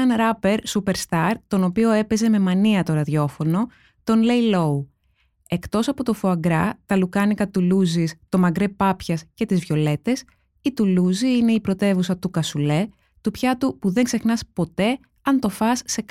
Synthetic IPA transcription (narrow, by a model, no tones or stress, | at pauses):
ɐnɾɐpe̞ɾsupe̞ɾst̪ɐɾt̪o̞no̞pio̞e̞pe̞ze̞me̞mɐniɐt̪o̞ɾɐðʝo̞fo̞no̞ | t̪o̞nle̞jlo̞u | e̞kt̪o̞sɐpo̞t̪ofuɐɡɾɐt̪ɐlukɐnikɐt̪uluzist̪o̞mɐɡɾe̞pɐpçɐsce̞t̪izvʝo̞le̞t̪e̞s | it̪uluziine̞ipɾo̞t̪e̞vusɐt̪ukɐsule̞ | t̪upçɐt̪upuðe̞ŋɡse̞xnɐspo̞t̪e̞ | ɐnt̪o̞fɐsːe̞k